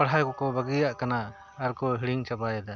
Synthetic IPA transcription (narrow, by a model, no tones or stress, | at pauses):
aɽajkɔkɔbəɡijaʔkanaː | ɾkɔɦiɽiŋt͡ʃabajɛd̪a